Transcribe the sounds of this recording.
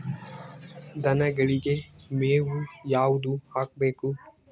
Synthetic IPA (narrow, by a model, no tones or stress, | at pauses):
d̪ɐnɐɡɐɭiɡe̞meːʋujaːʋud̪uhaːk̚beːku